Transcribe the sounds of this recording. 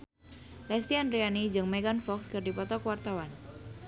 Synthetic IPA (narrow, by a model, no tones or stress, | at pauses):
lɛst̪ianrianid͡ʒɨŋmɛɡanfɔkskɨrdipɔt̪ɔkəwart̪awan